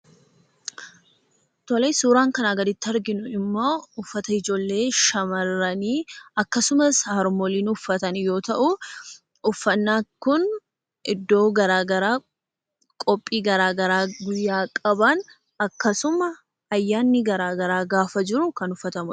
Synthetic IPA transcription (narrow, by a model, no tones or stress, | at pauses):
t̪ɔleːsuːɾaːŋkɐnaːɡɐd̪ɪt̪ːɪɐɾɡɪnʊɪmːo̞ːʊfːɐt̪ɐɪd͡ʒo̞ːlːe̞ːʃɐmɐrːɐniːɐkːɐsʊmɐsaɐɾmɔliːnʊfːɐt̪ɐnjo̞ːt̪ɐʔʊ | ʊfːɐnːaːkʊn | ʔɪd̪ːo̞ːɡɐɾaːɡɐɾaː | kʼɔpʼːiːɡɐɾaːɡɐɾaːɡʊjːaːkʼɐbɐn | ɐkːɐsʊmɐ | ɐjːaːnːɪɡɐɾaːɡɐɾaːɡaːfɐd͡ʒɪɾʊkɐnʊfːɐt̪ɐmʊ